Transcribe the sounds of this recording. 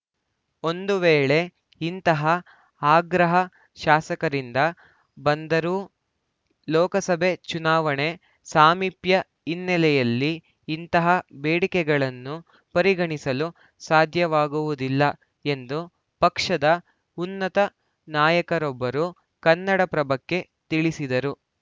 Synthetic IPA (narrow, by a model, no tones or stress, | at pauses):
o̞nd̪uʋeːɭe̞ | int̪ɐɦɐ | aːɡɾɐɦɐ | ʃaːsɐkɐɾind̪ɐ | bɐnd̪ɐɾu | lɔːkɐsɐbʱe̞t͡ʃunaːʋɐɳe̞ | saːmipjɐ | inːɛlɛjɐlːiː | nt̪ɐɦɐbeːɽikɛɡɐɭɐnːu | pɐɾiɡɐɳisɐlu | saːd̪ʱjɐʋaːɡuʋud̪ilːɐ | e̞nd̪u | pɐkʂɐd̪ɐ | unːɐt̪ɐ | naːjɐkɐɾɔbːɐɾu | kɐnːɐɽɐpɾɐbɐkːe̞ | t̪iɭisid̪ɐɾu